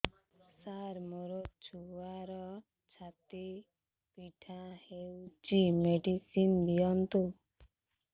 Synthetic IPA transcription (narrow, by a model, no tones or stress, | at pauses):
saɾmɔɾot͡ʃʰuwaɾɔ | t͡ʃʰat̪i | piʈʰãhewt͡ʃimeɖisind̪ijɔnt̪u